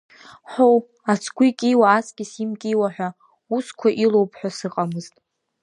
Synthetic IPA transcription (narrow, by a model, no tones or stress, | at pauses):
ħʷow | at͡sʰɡʷikʲʼiwaːsɡʲʼɪsimkʲʼiwaħʷᶣa | uskʷʰaʔilowpʰħʷᶣasɨqʼamɨztʼ